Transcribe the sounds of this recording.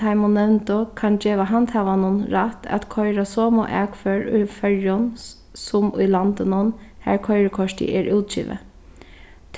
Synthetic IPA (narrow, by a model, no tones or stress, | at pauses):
aɪmʊnːɛwnt̪əkʰand͡ʒeːʋaɦant̪haːʋanʊnɹat̪ʰæ̰t̪kʰɔʏɹasɔːmɔ̰ʔɛːkføːɹʊ̰jfœɹjʊn | sʊmʊjlant̪ənʊnhæ̰ɹkʰɔʏɹəkʰɔʂt̪ɪ̰ʔɛːɹʔʉwt̪̚t͡ʃḭːʋə̰ | t̪ʰ